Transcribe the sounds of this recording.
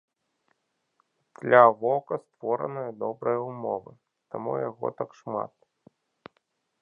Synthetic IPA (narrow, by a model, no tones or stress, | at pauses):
d̪̥lʲavɔkɐst̪vɔɾɐ̰nɨjɐd̪ɔbɾɐjɐumɔ̰vɨ | t̪amṵjaɣɔ̰t̪akʂma̰t̪̚